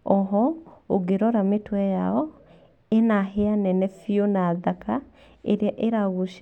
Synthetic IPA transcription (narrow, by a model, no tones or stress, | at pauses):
ɔɦɔoɡeɾɔɾametwɛjaɔ | enaɦeanɛnɛfionaːðakʰa | ḛɾeaʔeɾaɣoʃ